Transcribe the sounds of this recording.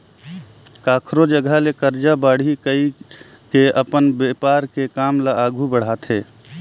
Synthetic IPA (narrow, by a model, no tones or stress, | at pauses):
kaːkʰɾod͡ʒəɡəlekəɾd͡ʒabaːɽ̤ikəi | keəpənbepaːɾkekaːmlaaːɡʱubəɽ̤aːt̪ʰɦeː